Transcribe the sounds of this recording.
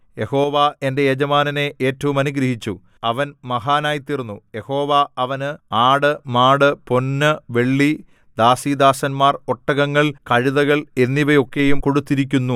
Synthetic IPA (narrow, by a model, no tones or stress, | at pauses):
je̞ho̞ːʋae̞nde̞ed͡ʑɐmaːnɐne̞ʔeːtːɐʋumɐnuɡɾɐhit͡ɕːu | ɐʋɐnmɐɦaːnaːjit̪ːirunːuje̞ho̞ːʋaɐʋɐnɨaːɽɨmaːɽɨpo̞nːɨʋe̞ɭːi | d̪aːsid̪aːsɐnmaːro̞ʈːɐɣɐŋːɐɭkɐɻiðɐɣɐɭe̞nːiʋɐjo̞kːe̞jumko̞ɽut̪ːiɾik̬ʲːunːu